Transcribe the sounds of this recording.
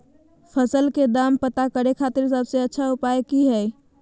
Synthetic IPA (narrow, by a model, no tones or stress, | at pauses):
pʰəsəlked̪aːmpət̪akəɾekʰaːt̪ɪɾsəbseətːʃʰaʊpajkiɦɛː